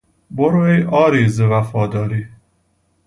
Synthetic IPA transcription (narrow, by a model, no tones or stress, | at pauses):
boɾoejʔɒːɾiːzevæfɒːd̪ɒːɾiː